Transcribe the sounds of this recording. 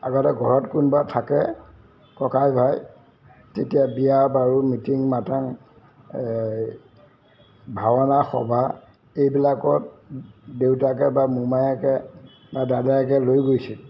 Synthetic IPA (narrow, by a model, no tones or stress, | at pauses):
a̰ɡɔtɛɡʱɔɹɔtkunbatʰakɛ | kɔkajbʱaj | tetijabijabaɹumitiŋmataŋ | bʱawɔnaxɔ̰bʱa | ejbilakɔtdewtakɛbamumajakɛ | badadajak̬ɛlojɡojsi